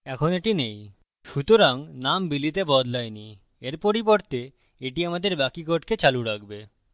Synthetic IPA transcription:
ɛkʰoneʈinej | ʃut̪oɾaŋnambilit̪ebɔd̪lajni | eɾpoɾipoɾt̪e | eʈiamad̪eɾbakikoʈket͡ɕaluɾak̚ʰbe

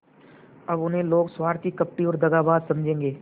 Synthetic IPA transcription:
ɐbʊnɦẽloːɡswaːɾt̪ikɐp̚ʈiɔːɾd̪ɐɡaːbaːd̪sɐmd͡ʒʱẽːŋɡeː

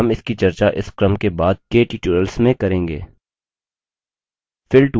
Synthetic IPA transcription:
ɐmɪskit͡ʃɐɾt͡ʃaʔɪskɾəmkebaːd̪̚keʈiːʈuɾəlsmẽkɐɾẽːŋɡḛː | fʰɪlʈ

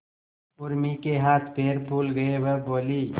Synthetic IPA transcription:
ʊɾmikeɦaːt̪ʰpeːɾbʱuːlɡəeweboːliː

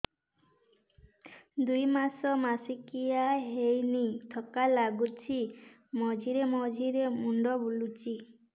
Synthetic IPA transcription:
d̪ujmasɔmasikijaɦejnit̪ʰɔkalaɡut͡ʃʰi | mɔd͡ʒʱiɾemɔd͡ʒʱiɾemuɳɖɔbulut͡ʃi

